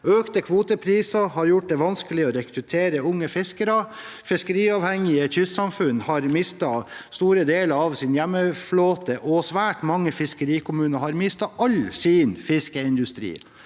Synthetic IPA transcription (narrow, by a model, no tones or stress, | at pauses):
øːkt̪əkʰʋuːt̪əpʰɾiːsɑhɑɾjʊʈ̚d̪ɛʋɑnskəlɪɔɾɛkʰɾʉt̪ʰeːɾəʊŋːəfɪskəɾɑ | fɪskəɾiːɑːʋhɛŋɪəçʏssɑmfʉnhɑɾmɪst̪ɑst̪uːɾəd̪eːləɾɑʋsɪnjæmːəfloːt̪əʔɔsʋæːʈmɑŋːəfɪskəɾiːkʰʊmʉːnəhɑɾmɪst̪ɑʔɑlsɪnfɪskəɪnd̪ʉst̪ɾḭː